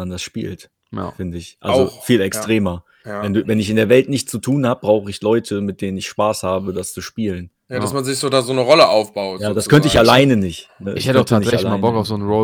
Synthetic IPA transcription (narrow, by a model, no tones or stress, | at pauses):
andasʃpḭːlt | fɪndəɪçʔa̰lzfiːlɛkstʁ̥eːmɐ | vɛnduːvɛnɪç̬ɪndeːɐvɛltnɪçtt͡sutʰuːnhaːbəbʁaʊxəɪçlɔʏtʰəmɪt̚d̥eːnənɪçʃpaːshaːbədast͡suʃpiːlən | jadasmanzɪçz̥oːdaːzoːnəʁɔləʔaʊfb̥aʊtjaːdaskʰœntəɪçalaɪnənɪçtnəɪ̰çhɛtəʊtanɪɛlalamaːbɔkaʊfz̥oːnnʁo